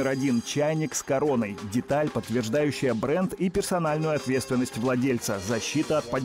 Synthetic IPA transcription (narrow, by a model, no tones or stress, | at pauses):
ɪɾɐdʲint͡ɕajnʲɪkskɐɾo̞nəjdʲɪt̪alʲpət̪ːvʲɪrʐd̪ajʉɕːɪjəbɾɛnd̪ipʲɪrsɐnalʲnʊjʊɐt̪vʲet̪st̪vʲɪnːəsʲtʲvlˠɐdʲelʲt̪səzɐɕːit̪əɐt̪̚pɐ